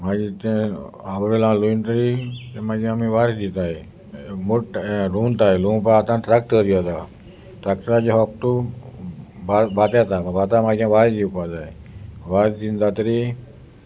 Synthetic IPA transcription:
mãd͡ʒit̪ẽabɾelãlunt̪ɾit̪emãd͡ʒãamiʋaɾd̪it̪aj | muɾunt̪ajlũpaat̪ãnʈɾakʈəɾjot̪a | ʈɾak̚ʈəɾad͡ʒeɦɔp̚ʈ̪u | babat̪at̪abat̪amãd͡ʒãʋaɾd͡ʒiupad͡ʒ̪aj | ʋaɾd̪ind̪at̪ɾi

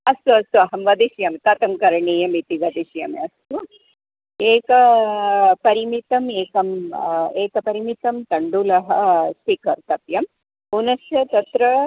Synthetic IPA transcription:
ɐst̪uɐst̪uɐɦɐmʋɐd̪iʃjɐmt̪ɐt̪ɐmkɐɾɳijɐmit̪iʋɐd̪iʃjɐmɐst̪u | eːkɐ | pɐɾimit̪ɐmeːkɐmeːkɐpɐɾimit̪ɐmt̪ɐɳɖulɐɦɐ̆spikɐɾt̪ɐp̪jɐm | unɐsjɐt̪ɐt̪ɾɐ

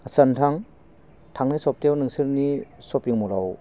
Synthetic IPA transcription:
santʰaŋ | tʰaŋnɯsɔp̚tewnɯŋsɯɾnisɔpjiŋmɔla̰w

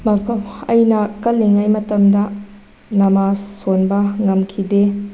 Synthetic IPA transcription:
mɐpʰɐmɐjnɐkɐlːeŋajmɐtɐmdɐ | nɐmasːonbɐŋɐmkʰide

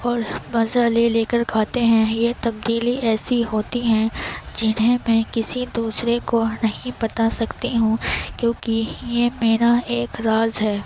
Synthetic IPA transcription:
ɔːɾmɐzaleleːkɐɾkʰaːt̪eɦɛ̃jet̪ɐb̚d̪iːliɛːsiɦoːt̪iɦɛ̃d͡ʒɪnɦẽmɛ̃kɪsid̪uːsɾekonɐɦĩpɐt̪asɐkt̪iɦũkjõːkijemeːnaeːkɾaːzɦɛː

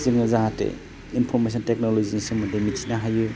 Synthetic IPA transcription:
zɯŋnɯzaɦatḛ | inpʰɔɾmes̬ɔntek̚nolozinisɯŋmudemitʰinaɦaju

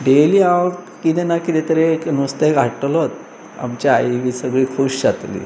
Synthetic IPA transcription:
ɖeliːaʋk | kit̪enakit̪et̪əɾeknust̪eɡʱaʈəlot̪ | a̰mt͡ɕaajʋiːsəɡɭiːkʰuɕɕat̪lḭː

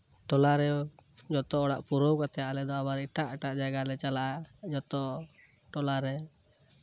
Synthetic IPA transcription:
ʈɔlaɾɛd͡ʒɔt̪ɔɔɽaʔpuɾɔwkat̪ɛjaʔlɛd̪ɔabaɾiʈaʔɛʈaʔd͡ʒaɡalɛt͡ʃalaʔad͡ʒɔt̪ɔ | ʈɔlaɾɛ

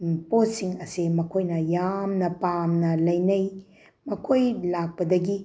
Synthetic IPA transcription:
posiŋɐsimɐkʰojnɐjamnɐpamnɐlɐjnɐj | mɐkʰojlak̚pɐdɐɡi

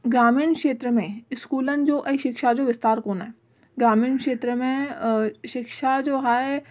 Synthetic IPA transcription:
ɡɾaːmiːnkʃeːt̪ɾəmẽɪskuːlənd͡ʒoːʔɐiʃɪkʃad͡ʒoʋɪst̪aːɾkoːnaɛ | ɡɾaːmiːnkʃeːt̪ɾəmẽ | ʃɪkʃad͡ʒoːɦa

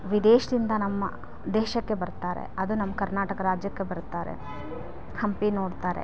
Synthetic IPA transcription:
ʋid̪eːʃɐd̪ind̪ɐnɐmːɐ̰ | d̪ɛːʃɐkːe̞bɐɾt̪aːɾḛɐd̪unɐmːɐkɐɾnaːʈɐkɐɾaːd͡ʒjɐkːe̞bɐɾt̪ːaːɾḛ | hɐmpino̞ːɽt̪aːɾḛ

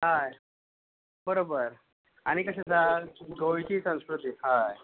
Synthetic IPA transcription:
ɦaj | bəɾobəɾ | aɽ̃ikəɕẽd̪ʱaɡojt͡ɕiːsə̃w̃skɾut̪iɦaj

